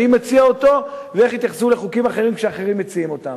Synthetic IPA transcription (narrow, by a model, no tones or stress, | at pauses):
imet͡siaot̪o̞vee̞χit̪jaχsuleχukimaχe̞ʁimkʃeaχe̞ʁimːet͡siimo̞t̪am